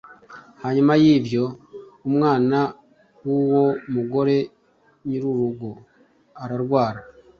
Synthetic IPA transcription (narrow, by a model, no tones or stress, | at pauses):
haɲumajiːbjo̞umŋaːna | wuwo̞muɡo̞ɾe̞ | ɲiɾuɾuɡo | aɾaɾɡwaːɾa